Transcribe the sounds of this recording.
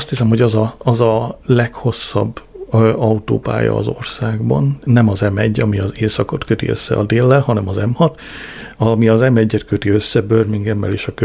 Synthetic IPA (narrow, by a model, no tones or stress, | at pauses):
st̪hisɛmhoɟɒzɒɒzɒlɛkho̞sːɒ̰bːɒut̪o̰ːpa̰ːjɒ̰ːzo̞̰rsaːɡbɒ̰nːɛmɒzɛmɛɟːɒmiɒzeːsɒko̞t̪køt̪ḭø̰sːɛ̰ɒ̰d̪eːlːɛlɦɒnɛmɒzɛmhɒt̪ | ɒmiɒzɛmɛɟːɛt̪køt̪iø̞sːɛbørmiŋɡɛmːɛleːʃɒkø